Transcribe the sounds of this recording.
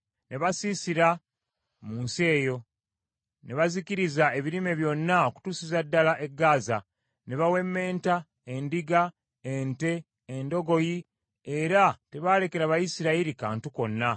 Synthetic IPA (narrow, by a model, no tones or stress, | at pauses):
ne̞βasisiɾa | muːnse̞ːjo̞ | ne̞βazikiɾizae̞βiɾime̞βjo̞nːaoku̥tuːsizadːalaʔe̞ɡːaːza | ne̞βawe̞mːe̞ːnta | e̞ndiɡa | ente̞ː | ndo̞ɡo̞ji | eɾate̞βaːle̞ke̞ɾaβajisiɾaiɾikaːntuko̞nːa